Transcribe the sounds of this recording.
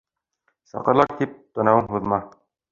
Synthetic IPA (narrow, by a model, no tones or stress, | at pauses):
sɑ̰qɤ̆ɾlˠɑk̚t̪ip̚t̪ɒ̆nɑwɤnɦuðmɑ